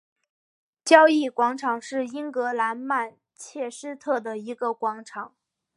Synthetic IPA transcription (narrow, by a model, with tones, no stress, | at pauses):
t͡ɕjɑ˥ʊi˥˩kwɑ˧˥ŋʈ͡ʂʰɑ˨˩˦ŋʂɻ̩˥˩i˥ŋkɤ˧˥la˧˥nma˥˧n | t͡ɕʰjɛ˥˩ʂɻ̩˥t̪ʰɤ˥˩d̪ə˩i˧˥ɡə˧kwɑ˧˥ŋʈ͡ʂʰɑ˨˩˦ŋ